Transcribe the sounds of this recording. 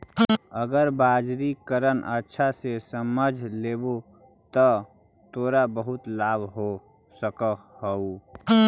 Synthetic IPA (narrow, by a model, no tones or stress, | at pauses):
əɡəɾbaːd͡ʒɾikəɾənʔə̰tːʃʰasesəməd͡ʒʱleːbo | t̪ə | t̪oːɾabəɦʊt̪laːbʱɦo | səkəhəu